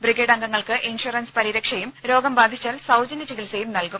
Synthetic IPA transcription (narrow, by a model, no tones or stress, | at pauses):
briɡeːɽɐŋɡɐŋːɐɭkɨʔinʂuɐrɐnspɐɾiɾɐkʂɐjumɾo̞ːɡɐmbaːd̪ʱit͡ɕːaːlsɐwd͡ʑɐnit͡ɕikilsejumnɐlkum